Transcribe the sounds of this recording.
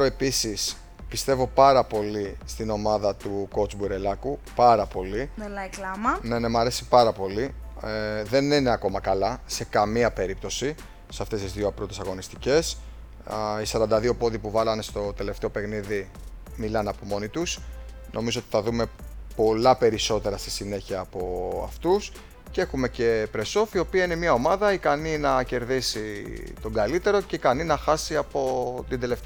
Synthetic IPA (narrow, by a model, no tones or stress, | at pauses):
oe̞pisis | pist̪e̞vo̞pɐɾɐpo̞list̪ino̞mɐðɐt̪uko̞t͡sbuɾe̞lɐkupɐɾɐpo̞lilɐklɐmɐne̞ne̞mɐɾe̞si̥pɐɾɐpo̞li | ðe̞nine̞ɐko̞mɐkɐlɐse̞kɐmiɐpe̞ɾip̚t̪o̞si | sɐft̪e̞st̪izðioɐpɾot̪esɐɣo̞nist̪ice̞s | isɐɾɐnd̪ɐðio̞po̞ðipuvɐlɐnst̪o̞t̪e̞le̞ft̪e̞o̞pe̞xniði | milɐnɐpo̞mo̞nit̪us | nʔo̞mizo̞o̞t̪i̥θɐðume̞po̞lɐpe̞ɾiso̞t̪e̞ɾɐst̪i̥sine̞çiɐːpo̞ɐ̰ft̪us | ce̞xume̞ce̞pɾe̞so̞fio̞piɐine̞mɲɐo̞mɐðɐikɐninɐce̞ɾðisit̪o̞ŋɡɐlit̪e̞ɾo̞ce̞ikɐninɐxɐsiɐpo̞t̪ind̪e̞le̞ft̪e